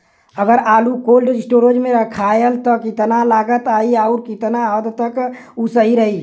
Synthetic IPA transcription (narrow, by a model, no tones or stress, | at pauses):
əɡəɾalukolɖsʈoɾod͡ʒmeɾəkʰajəlt̪ɔkit̪nalaːɡət̪aiauɾkit̪naəd̪t̪əkusəɦiɾəɦi